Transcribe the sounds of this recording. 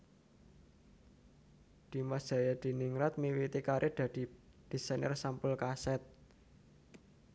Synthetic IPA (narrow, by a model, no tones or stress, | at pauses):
d̪̥i̤madʒ̥a̤jad̪̥i̤niŋɾat̪̚miwit̪ikaɾʔed̪̥a̤d̪̥i̤d̪̥i̤sajnə̰rsampʊlkasɛt̪̚